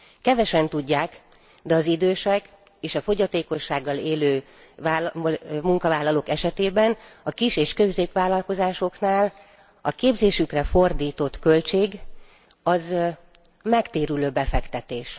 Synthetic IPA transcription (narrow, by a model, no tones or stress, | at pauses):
kɛvɛʃɛnt̪uɟːaːk | d̪ɛɒzid̪øːʃɛk | eːʃɒfo̞ɟɒt̪eːko̞ʃːaːɡːɒleːløː | vaːlmuŋkɒvaːlːɒloːkɛʃɛt̪eːbɛnɒkiʃeːʃkøbzeːpʋaːlɒlko̞zaːʃo̞knaːl | ɒkeːbzeːʃykrɛfo̞rd̪iːt̪o̞t̪kølt͡ʃeːɡ | ɒz | mɛkt̪eːɾyløːbɛfɛkt̪ɛt̪eːʃ